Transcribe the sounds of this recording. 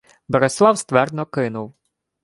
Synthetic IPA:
bɛɾeslˠɑwst̪ʋɛrd̪nɔkɪnʊw

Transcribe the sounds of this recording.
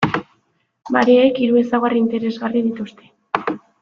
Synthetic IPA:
ma̰ɾeekiɾue̞saɣarint̪e̞ɾe̞zɣarið̞it̪ust̪e̞

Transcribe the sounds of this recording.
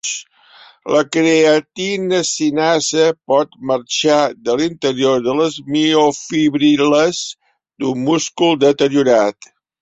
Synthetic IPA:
ləkɾeət̪inəsinazəpɔt̪məɾt͡ʃaðəlint̪əɾioɾðələzmiofiβɾiləz | d̪ummuskulˠd̪ət̪əɾiuɾat̪

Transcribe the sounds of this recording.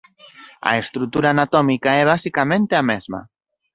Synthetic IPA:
a̰est̪ɾut̪ːuɾaːnat̪ɔmikaɛβ̞asikamẽnt̪eamezma̰

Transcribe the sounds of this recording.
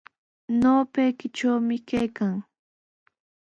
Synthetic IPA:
noːpejkɪt͡ʃawmɪkajkaŋ

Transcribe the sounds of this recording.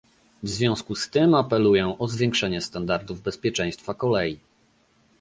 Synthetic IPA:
vzvʲjɔ̃w̃skust̪ɘmapɛlujɛʔɔzvʲjɛ̃ŋkʂɛɲɛst̪and̪aɾd̪uvbɛspʲjɛt͡ʂɛ̃j̃st̪fakɔlɛji

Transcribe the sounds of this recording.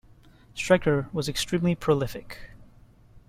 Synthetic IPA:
stɹ̥ɛɡ̚ə˞wʌzɨkstɹ̥ĩmlipʰɹ̥olɪfɪk

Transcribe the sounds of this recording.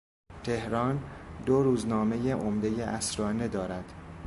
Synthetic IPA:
t̪ʰe̞hɾɒːnd̪oɾuːznɒːme̞jeʔomd̪e̞jeʔæsɾɒːned̪ɒːɾæd̪̥

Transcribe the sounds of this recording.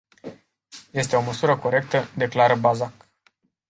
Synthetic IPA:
je̞st̪e̞o̞məsuɾəko̞ɾe̞k̚t̪əd̪e̞klaɾəbazak

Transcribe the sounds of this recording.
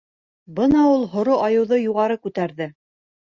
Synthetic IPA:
bɤnɑulˠɦŏɾoʔɑjɤ̆wðɤjuʁɑɾɤkʉt̪æɾðɘ

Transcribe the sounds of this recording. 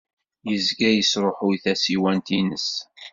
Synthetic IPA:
jəzɡæjəsɾˤoħʊjθæsiwænt̪inəs

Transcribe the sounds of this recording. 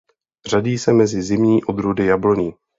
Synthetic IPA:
r̝aɟiːsɛmɛzɪzɪmɲiːʔo̞d̪ɾudɪjabloɲi

